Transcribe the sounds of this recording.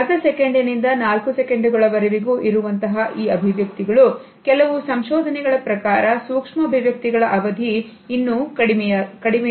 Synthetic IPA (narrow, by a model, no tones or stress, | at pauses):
ɐt̪ɐsekeɳɖinind̪ɐnaːlkusekeɳɖuɡɐɭɐʋɐɾeʋiɡuːʔiɾuʋɐnt̪ɐɦɐʔiːɐbʱiʋjɐk̚t̪iɡɐɭu | kɛlɐʋusɐmʃɔːd̪ʱɐnɛɡɐɭɐpɾɐkaːɾɐsuːkʂmɐbʱiʋjɐk̚t̪iɡɐɭɐʔɐʋɐd̪ʱiːnːukɽikɐɽimɛ